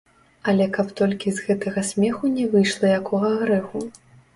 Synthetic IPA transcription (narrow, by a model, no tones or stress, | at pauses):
ɐlʲɛkɐpt̪ɔlʲkʲizɣɛt̪ɐɣɐsʲmʲɛxunʲɛvɨjʂlˠɐjakʰɔɣɐɣɾɛxu